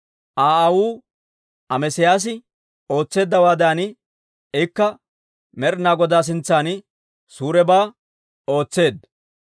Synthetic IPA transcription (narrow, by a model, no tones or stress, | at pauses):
ʔaːɐwuː | ɐmɛsɪjaːs̬ɪ | o̞ːt͡sːe̞ːd̪ːɐwaːd̪aːnɪ | ɛkːɐ | mɛɾnaːɡɔd̪aːs̬ɪnt͡sːaːnɪ | suːɾɛbaː | o̞ːt͡sːe̞ːd̪ɐ